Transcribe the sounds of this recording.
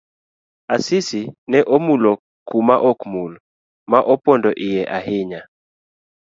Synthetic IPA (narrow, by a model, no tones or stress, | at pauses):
asɪsinɛʔomulɔ | kumaʔɔkmul | maʔɔpɔndɔʔɪjɛʔaɦɪɲa